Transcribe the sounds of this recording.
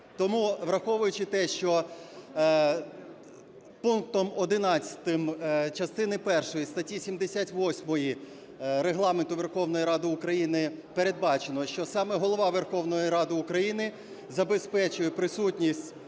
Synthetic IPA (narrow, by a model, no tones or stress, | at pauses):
t̪ɔmuʋɾɐxɔʋʊjʊt͡ʃɪt̪ɛʃt͡ʃɔ | punk̚t̪ɔmɔd̪ɪnɑt͡sʲɐ̥t̪ɪmt͡ʃɐst̪ɪnɪpɛrʃɔjist̪ɐtʲisʲimd̪esʲatʲʋɔsʲmɔji | ɾeɦlˠɑment̪ʊʋe̞rxɔwnɔjiɾɑd̪ɪʊkɾɐjinɪpe̞ɾe̞d̪̚bɑt͡ʃenɔʃt͡ʃɔsɑmɛɦɔlˠɔʋɑʋerxɔʋnɔjiɾɑd̪ɪʊkɾɐjinɪ | zɐbespɛt͡ʃʊjɛpɾɪsutʲnʲisʲtʲ